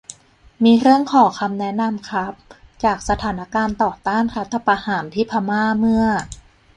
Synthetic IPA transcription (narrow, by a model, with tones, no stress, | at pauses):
miː˧ɾɯ˥˩əŋkʰɔː˨˩˦kʰa˧mnɛ˦˥na˧mkʰa˦˥p̚t͡ɕaː˨˩k̚sa˧t̪ʰaː˩˦na˦˥kaː˧nt̪ɔː˨˩t̪aː˥˩nɾa˦˥t̪ʰːa˧pɾa˧haː˩˦nt̪ʰiː˥˩pʰa˧maː˥˩mɯ˥˩ɐ